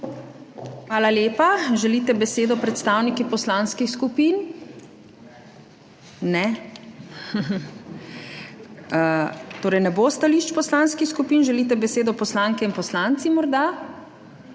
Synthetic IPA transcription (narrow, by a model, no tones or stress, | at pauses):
xʋaːlaljeːpaʒɛlit̪ɛbɛseːd̪ɔpɾɛt̪st̪awnikipɔslanskixskupin | nɛ | ət̪oːɾɛjnɛbost̪aliʃt͡ʃpɔslaːnskixskupinʒɛliːt̪ɛbɛseːd̪ɔpɔslaŋkɛinpɔslant̪simɔɾd̪a